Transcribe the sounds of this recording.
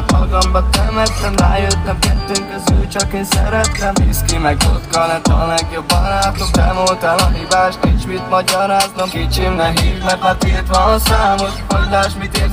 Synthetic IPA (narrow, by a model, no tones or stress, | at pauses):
ɒɡɒmbɒt̪ɛmɛt̪nɛmra̰ːjøt̪nɛmkɛ̰t̪ːøŋkøzyːlt͡ʃɒkensɛ̰ɾɛt̪nɛḭskimɛɡo̰t̪kɒnɛt̪ɒ̰mɛkjøbɒ̰naːt̪okb̪ɛ̰moːt̪ɛnɒɦibaːʃt̪nint͡ʃmit̪mɒɟɒɾaːznɒmkit͡ʃimnɛɦiːt̪mɛpɛt̪eːt̪ʋɒnsaːmot̪kod̪aːʃmit̪eːɾ